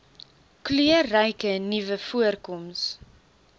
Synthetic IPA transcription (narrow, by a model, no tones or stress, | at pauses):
klyərːəjkənivəfuərkɔms